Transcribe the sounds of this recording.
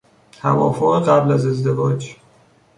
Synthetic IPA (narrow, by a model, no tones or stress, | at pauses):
t̪ʰæ̰vɒːfoɣeɢæblæze̞zd̪e̞vɒːd͡ʒ